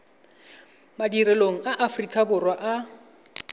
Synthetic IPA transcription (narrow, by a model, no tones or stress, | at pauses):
madirɛloŋ̩aʔafrikʼabʊrwaʔa